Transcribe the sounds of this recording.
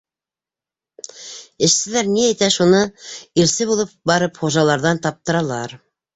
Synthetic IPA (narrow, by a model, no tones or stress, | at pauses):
ɘ̆ʃsɘ̆læɾniæjt̪æʃunɤiɾsɘβulˠɤp̚bɑɾɤpχuʒɑlˠɑɾðɑnt̪ɑp̚t̪ɤ̆ɾɑlˠɑɾ